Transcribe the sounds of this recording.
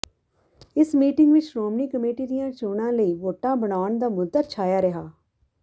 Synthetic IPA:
ɪsmiːʈɪŋɡʋɪt͡ʃɾoːmniːkəmeːʈiːɾɪjãːt͡ʃoːnãːləiːʋoːʈãːbəɽaːɳd̪aːmʊd̪at͡ʃʰaːjaːɾəɦaː

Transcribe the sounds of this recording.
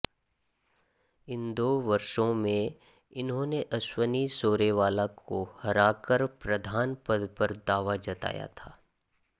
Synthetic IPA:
ɪnd̪oːʋɐɾʃõmẽ | ɪnɦõːneʔɐswənisoːɾeʋaːlakʰohɐɾaːkəɾpɾɐd̪ʱaːnpəd̪pəɾd̪aːʋad͡ʒɐt̪a̰ːja̰t̪ʰaː

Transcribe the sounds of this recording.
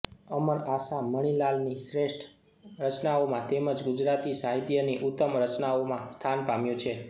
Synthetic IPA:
əməɾasaməɽ̃ilalnisɾeʂʈʰ | ɾət͡ʃnaomãt̪eməd͡ʒɡʊd͡ʒɾat̪isaɦit̪jəniʔut̪ːəmɾət͡ʃnaomãst̪ʰanpamjũt͡ʃʰe

